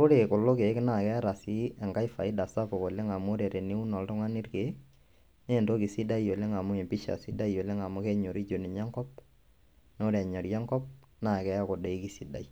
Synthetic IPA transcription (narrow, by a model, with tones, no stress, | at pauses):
o˦ɾe˨kʊ˨lo˦ke˨˦kɪ˦na˦˨kɛ˦ɾa˨si˦ɛ˨ŋka˦jfa˨ɪ˦da˨sa˦po˨ko˨le˦ŋa˨m˦o˦ɾe˨ɾe˨ne˦u˦nɔ˨ltʊ˦ŋa˦ni˦ɾke˨˦ | neː˦˨nto˦ki˨si˦da˦i˦o˨le˦ŋa˨mʊ˦e˨mpi˦ʃa̰˨si˦da˦i˨jo˨le˦ŋa˨mʊ˦ke˦ɲo˨ɾi˦d͡ʒo˨ni˨ɲa˦ŋkɔ˦p̚ | no˦ɾɛ˨ɲɔ˨ɾjɛ˦ŋkɔ˦p̚ | na˦˨kɛ˦a˦ko˨de˨i˦ki˦si˦da̰˨i˦